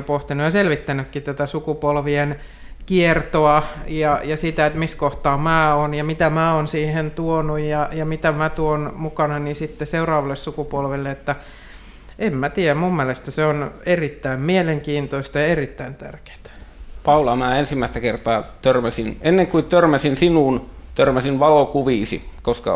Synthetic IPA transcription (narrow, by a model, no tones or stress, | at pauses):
poht̪inːujɑselʋit̪ːænykːit̪æt̪æsukupolʋien | kiert̪oɑjɑjɑsit̪æet̪miskoht̪ɑːmæːonjɑmit̪æmæːonsiːhent̪uonujjɑjɑmit̪æmæt̪uonmukɑnɑnisit̪ːeseurɑːʋɑlːessukupolʋilːeet̪ːæ | emmæt̪iːæmumːielest̪æseonerit̪ːæimmieleŋkiːnt̪oist̪ɑjɑerit̪ːæint̪æ̰rke̥ːt̪æ̥pɑulɑmæːensimːˑæˑist̪ækert̪ɑːt̪ørmæsinenːeŋkuit̪ørmæsinsinuːnt̪ørmæsinʋɑlokuʋiːsḭkoskɑ̰